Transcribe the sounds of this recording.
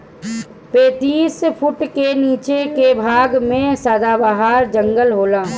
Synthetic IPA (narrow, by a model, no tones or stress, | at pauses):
peːt̪iːspʰʊʈkeniːt͡ʃekebʱaːɡmẽsaːd̪abaɦaːɾd͡ʒə̃ŋɡəlɦoːlaː